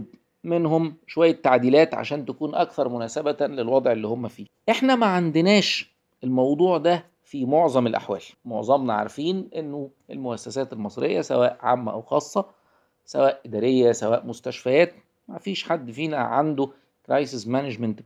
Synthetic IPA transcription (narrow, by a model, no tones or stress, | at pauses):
menhomʃowæjːæt̪ːaʕd̪iːlæːt̪ʕa̰ʃæːnt̪ækuːnʔækθɑɾˤmʊnæːsæbælelwɑd̪ˤʕelːiːhomːæfiːʔeħnæmæʕand̪enæːʃ | ʔelmɑwd̪ˤuːʕd̪æ | fimoʕzˤɑmelʔa̰ħwæ̰ːlmo̰ʕzˤɑmnɑʕa̰ɾfiːnʔenːoʔelmoʔæsːæsæːt̪elmɑsˤɾḛjːæsæ̰wæːʔʕa̰mːæʔæ̰wxɑːsˤːɑ | sæ̰wæːʔʔɪd̪æːɾejːæsæwæːʔmost̪æʃfæjæːt̪̚ | mæ̰fiːʃħad̪ːfiːnæʕand̪o | kɾˤɑjsesmæned͡ʒmænt̪